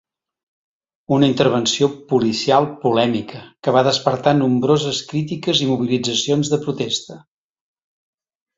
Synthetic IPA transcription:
unəint̪əɾβ̞ənsiopulisialˠpulɛmikʰəkəβ̞aðəspəɾt̪anumbɾozəskɾit̪̬ikəzimuβ̞ilid͡zəsionzðəpɾut̪est̪ə

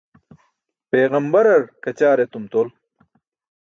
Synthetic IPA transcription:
peːɣɐmbɐɾɐɾkɐt͡ɕaːɾet̪umt̪oːl

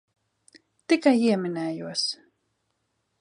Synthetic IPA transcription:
t̪ikajiɛmʲinɛːjuɔs

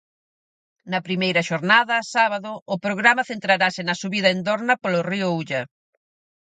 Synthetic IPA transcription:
nɐpɾimejɾɐʃoɾnaðɐsaβaðʊːpɾoɣɾamɐθent̪ɾaɾasɪnɐsuβiðɐend̪oɾnɐpolʊriʊuʎɐ

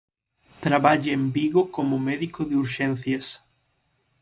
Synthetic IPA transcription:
t̪ɾaβaʎɪembiɣokomʊmɛðikʊðɪuɾʃẽnθjɐs

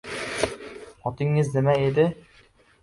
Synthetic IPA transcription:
ɒt̪ɪŋːɪznɪmaed̪ɪ

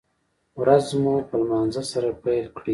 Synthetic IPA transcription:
wɾazmupəlmɑːnzasaɾapajlkɽi

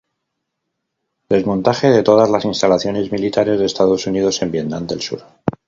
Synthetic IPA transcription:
d̪e̞zmõ̞nt̪axe̞ð̞e̞t̪o̞ð̞azlasinst̪alaθjo̞ne̞zmilit̪aɾe̞zðest̪aðo̞sunið̞o̞se̞mbje̞t̪nand̪e̞lsṵɾ

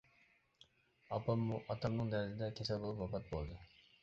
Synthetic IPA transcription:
ɑpɑmːuʔɑt̪ʰɑmnɨŋd̪æɾzɪd̪ɛkʲʰesɛlbolˠupɑpɑt̪̚bolˠd̪ɨ

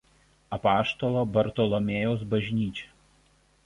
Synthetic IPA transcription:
ɐpɑːʃt̪ɔlˠoːbɐɾt̪ɔːlˠɔmʲeːjɛʊsbɐʒʲnʲiːt͡ʃʲɛ̥

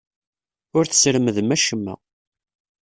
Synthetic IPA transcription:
ʊɾθə̥sɾəməðmæʃəmːæ̰

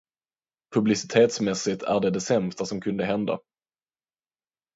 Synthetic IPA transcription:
pʰɵblɪsɪ̥t̪ʰeːt̪smɛsɪt̪ʰæ̰ɖɛd̪ɛsɛmst̪asɔmkʰɵnd̪əɦɛnd̪a̰

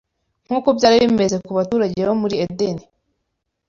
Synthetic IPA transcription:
ŋ̥huːkobɟaːɾiβime̞ze̞kuβatuːɾaɟeβomuɾiedeni

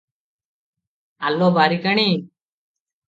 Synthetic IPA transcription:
alɔbaɾikaɽ̃i

